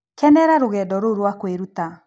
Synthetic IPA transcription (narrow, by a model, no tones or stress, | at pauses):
kɛnɛɾaɾoɣɛːdɔɾoɾwakweɾuta